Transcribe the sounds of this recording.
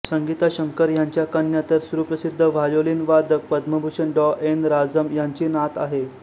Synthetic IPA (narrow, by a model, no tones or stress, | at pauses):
səŋɡit̪aɕəŋkəɾjaɲt͡ɕjakəɳːjat̪əɾsuɾupɾəsid̪ʱːəʋajoliːnʋad̪ək̚pəd̪məbʱuɕənɖɔʔenɾad͡zəmjaɲt͡ɕiːnat̪a̰ɦe